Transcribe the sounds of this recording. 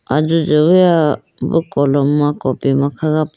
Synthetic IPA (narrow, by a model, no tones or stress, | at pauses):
azuzəwja | bɯ̰kɔlɔmːakɔpimakʰaɡap